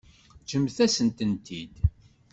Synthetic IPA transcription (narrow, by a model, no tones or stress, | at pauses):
t͡ʃəmθæsənt̪ənt̪id̪